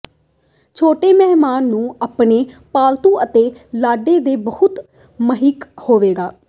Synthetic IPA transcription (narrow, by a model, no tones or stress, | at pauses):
t͡ʃʰoːʈeːmɛːmaːnːũːaːpɳeːpaːlt̪ũːʔət̪eːlaːɖeːd̪eːbəhʊt̪ | məɦɪkhoːʋeːɡaː